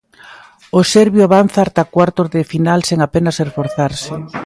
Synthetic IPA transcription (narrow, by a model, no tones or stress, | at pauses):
osɛɾβjoaβan̟θaaɾt̪akwaɾt̪ozðɪfinalseŋapenasesfoɾθaɾsɪ